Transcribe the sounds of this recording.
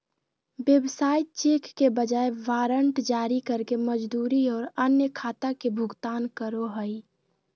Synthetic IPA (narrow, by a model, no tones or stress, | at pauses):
ʋjebsaːjt̪t͡ʃeːkːebəd͡ʒaːeʋaːɾəɳʈd͡ʒaːɾikəɾkeməd͡ʒd̪uːɾiɔːɾənjəkʰaːt̪akebʱʊɡt̪aːnkəɾoɦəi